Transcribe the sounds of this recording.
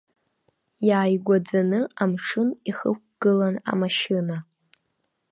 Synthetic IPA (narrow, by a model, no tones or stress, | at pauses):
jaːjɡʷad͡zanɨamʂʰɨniχək̚ʷʰɡ̥ɨlana̰maʃɪna